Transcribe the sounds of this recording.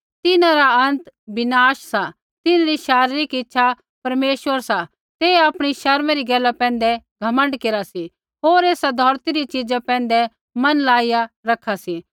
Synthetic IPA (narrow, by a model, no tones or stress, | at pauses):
t̪ɪnãɾaɐ̃nt̪bɪnaːʃsa | t̪ɪnɾiʃaːɾɾikɪtːʃʰa | pɐɾmeːʃʋəɾsa | t̪eːaːpɽ̃iʃɐɾmɛɾiɡɛːlapɛ̃ːnd̪ɛɡʱɐmə̃ɳɖkeːɾasi | ɦoːɾeːsad̪ʱɔːɾt̪iɾit͡ʃɪd͡ʒapɛ̃ːn̆d̪ɛ | mɐnlaːijaɾɐkʰːasi